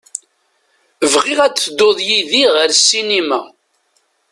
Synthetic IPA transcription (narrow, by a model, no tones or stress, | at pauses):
əvʁɪʁæt͡sːəd̪ːoðˤjiðiʁəɾsːinimæ